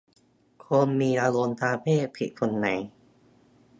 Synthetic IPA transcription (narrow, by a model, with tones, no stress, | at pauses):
kʰoː˧nmiː˧ʔaː˧lo˧nt̪ʰaː˧pʰeː˥˩pʰi˨˩kʰo˧nːa̰˨˦j